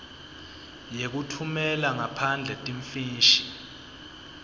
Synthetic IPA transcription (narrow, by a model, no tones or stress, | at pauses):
jek̬utʰumɛlaŋapʰand͡ɮʱɛtʼiɱfiːʃi̥